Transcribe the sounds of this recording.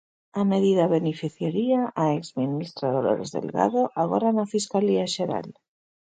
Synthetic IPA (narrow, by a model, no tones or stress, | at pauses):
ame̞ðiðaβe̞nifiθjaɾiaʔaekzminist̪ɾaðolo̰ɾezðe̞̰lɣa̰ðoʔaɣ̞oranafiskaliaʃeɾa̰l